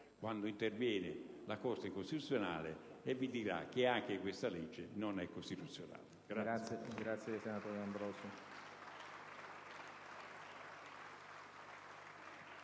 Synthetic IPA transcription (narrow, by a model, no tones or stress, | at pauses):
kwand̪oint̪ervjɛːnɪlakɔrt̪ekost̪it̪ut̪sːjona̰ːleevːid̪iɾa̰k̟ːɪaŋk̟ekwest̪alɛd͡ʒːenonɛkːost̪it̪ut̪sːjona̰ːleɡɾaɡɾat̪sːjesenat̪ɔːɾjoambɾɔːso